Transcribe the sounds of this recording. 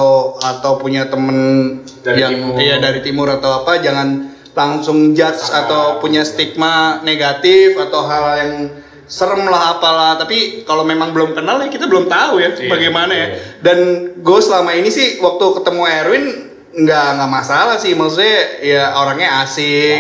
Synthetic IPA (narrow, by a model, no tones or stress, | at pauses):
at̪awpuɲat̪əmən | jaŋjadaɾit̪imʊɾat̪awapad͡ʒaŋan | laŋsʊŋd͡ʒat̪sat̪awpuɲast̪ik̚maneɡat̪ɪfat̪awɦaljaŋ | səɾəmlaɦapalaht̪apikalomemaŋbəlʊmkənalakit̪abəlʊmt̪aujabaɡajmanajadanɡuasəlamainisɪhwak̚t̪ukət̪əmuɛɾuɪn | ŋɡaʔŋɡaʔmasalahsɪhmasutɲajaoɾaŋɲaasɪ